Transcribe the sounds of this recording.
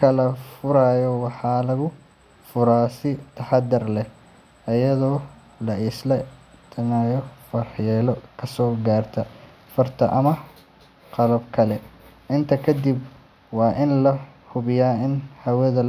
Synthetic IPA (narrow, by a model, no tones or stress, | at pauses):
kʰɐlɐfʊɾajɔwɑħɑːlɐɣʊ | fʊɾaːsɪt̪ʰɐħɑd̪ɐrlɛ | ɐjɐðɔː | lɐɪslɐt̪ʰɐnaːjɔfɐrħjɛːlɔkʰɐsɔːɡaːrt̪ʰɐ | fɐrt̪ʰɐʔɐmɐ | qɑlɐbkʰɐlɛ | ɪnt̪ʰɐkʰɐd̪ib | wɑːʔɪnlɐhʊβɪjaːɪnhɐwɐðɐl